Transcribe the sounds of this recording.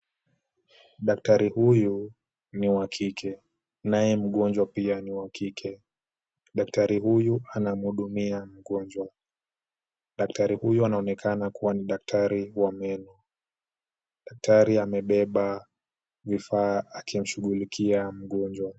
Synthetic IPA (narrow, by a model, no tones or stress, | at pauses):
ɗaktaɾihuju | niwakʰikʰɛ | najɛm̩ɠɔnd͡ʒwapianiwakʰikʰɛ | ɗak̚taɾihujuʔanam̩huɗumiam̩ɠɔnd͡ʒwa | ɗak̚taɾihujuanaɔnɛkʰanakuwaniɗak̚tʰaɾiwamɛnɔ | ɗak̚tʰaɾiamɛɓɛɓa | vifaːkim̩ʃuɠulikʰiam̩ɠɔnd͡ʒwa